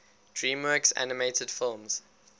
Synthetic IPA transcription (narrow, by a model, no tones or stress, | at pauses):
d̥ɹĩːmwɜˑksa̰nɪmeɪtʰəd̥fɪlˠmz̥